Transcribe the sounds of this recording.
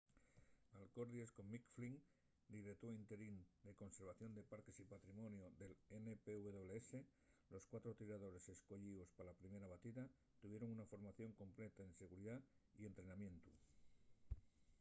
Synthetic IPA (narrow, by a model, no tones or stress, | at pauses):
alko̞ɾðiesko̞mːikfliŋ | d̪iɾet̪oint̪e̞ɾind̪e̞ko̞nse̞ɾβ̞aθjo̞nd̪e̞paɾke̞sipat̪ɾimo̞njoðe̞lenepeuβeðo̞βleese̞ | lo̞skwat̪ɾo̞t̪iɾaðo̞ɾe̞se̞sko̞ʎio̞spalapɾime̞ɾaβat̪iða | t̪uβje̞ɾo̞ŋunafo̞ɾmaθjo̞ŋko̞mple̞t̪aense̞ɣuɾiðaie̞nt̪ɾe̞namjẽ̞nt̪u